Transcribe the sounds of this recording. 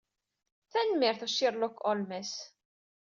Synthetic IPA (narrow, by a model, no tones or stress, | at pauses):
θænmɪɾθæʃiɾˤlɔkɔlmɛs